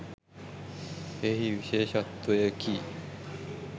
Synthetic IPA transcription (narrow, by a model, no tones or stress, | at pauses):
eɦiɯɕeɕat̪ːoekʰi